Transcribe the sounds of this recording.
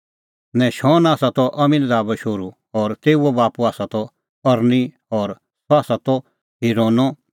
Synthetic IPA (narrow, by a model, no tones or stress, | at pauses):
nɛ̃ʃɔːnaːsat̪ɔʔɐmĩnd̪aːbɛʃoːɾu | ɔːɾt̪eːuɔbaːpuaːsat̪ɔ | ɐɾni | ɔːɾ | sɔaːsat̪ɔ | ɦiɾoːnɔ